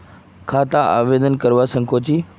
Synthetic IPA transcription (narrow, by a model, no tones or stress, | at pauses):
kʰat̪aʔa̰ʋed̪ənkəɾʋasə̃ŋkʰot͡ɕiː